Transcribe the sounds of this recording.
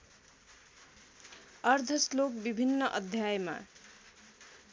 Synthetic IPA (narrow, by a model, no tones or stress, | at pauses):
ʌrd̪ʱʌslokbibʱinːʌʔʌd̪ʱjajema̰